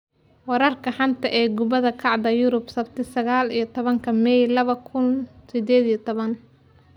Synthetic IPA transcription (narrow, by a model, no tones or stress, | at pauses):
wɑɾɐrkʰɐħɑnt̪ʰɐʔɛːɡʊβɐðɐkʰɑʕd̪ɐjʊɾʊbsɐbt̪ʰɪsɐɣaːlijɞt̪ʰɔβɐŋkʰɐmɛjlɐβɐkʰʊnsɪd̪ɛːd̪ijɐt̪ʰɔβɐn